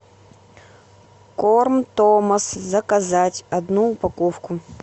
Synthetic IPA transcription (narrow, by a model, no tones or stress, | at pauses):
kormt̪omɐszɐkazatʲɐd̪nuːpakofkʊ